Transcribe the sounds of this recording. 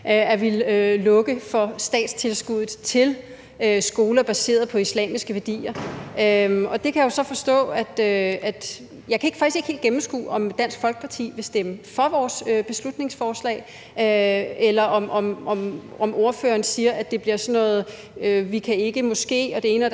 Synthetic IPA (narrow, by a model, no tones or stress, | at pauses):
æʋillɔ̽ɡ̥əfɒ̽sd̥ɛ̰ːd̥st͡sʰe̝lsɡ̥uð̩ˠt͡sʰe̝l | øsɡ̥o̝ːlɐb̥æse̝̰ːɐðˠpʰɒ̽islɛ̰ːmisɡ̥əʋæɐd̥ḭːɐøɒ̽d̥e̝kʰæjao̝sɒ̽fɒ̽sd̥ɔ̰̽ːæd̥øæd̥ | jɑɪkʰæe̝ɡ̥fɑ̈ɡ̥isɡ̥e̝ɡ̥hḛld̥̚ɡ̥emm̩sɡ̥ṵːɒ̽md̥æn̰sɡ̥fɒ̽lɡ̥əpʰɑ̈t͡sʰḭːʋe̝sd̥eməfɒ̽ʋɒːsøb̥e̝slud̥ne̝ŋsfɒːslɛ̰ː | elɐʔɒ̽mʔɒ̽mɒ̽mʔɒmʔo̝ɐføːɐːnsiːɐʔæd̥e̝b̥liɐsɒ̽nːɔ̽ːð̩ˠ | øʋikʰæe̝ɡ̥əmɔ̽sɡ̥e̝̰ːɒ̽d̥e̝e̝ːnəæ